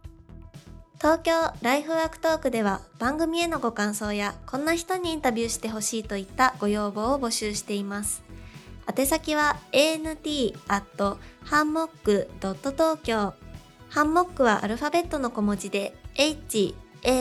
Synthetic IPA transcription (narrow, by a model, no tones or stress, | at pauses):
t̪o̞ːkʲo̞ːɾaiɸɯ̟βaːkɯ̟̥t̪o̞ːkɯ̟d̪e̞β̞ab̥ãŋɡɯ̟mʲie̞no̞ɡo̞kãɰ̃so̞ːjakʰõ̞nːaçi̥t̪o̞ɲ̟iĩnt̪abʲɯːɕi̥t̪e̞ɦo̞ɕiːt̪o̞it̪ːaɡ̥o̞jo̞ːbo̞ːobo̞ɕɨːɕi̥t̪e̞imasɨ̥at̪e̞sakʲiβ̞ae̞ːnɯ̟t̪ʲiːat̪ːo̞hãmːo̞kːɯ̟d̪̥o̞t̪ːo̞t̪o̞ːkʲo̞ː | hãmːo̞kːɯ̟βaʔa̰ɾɯ̟ɸabe̞t̪ːo̞no̞ko̞mo̞d͡ʑid̪e̞eit͡ɕieː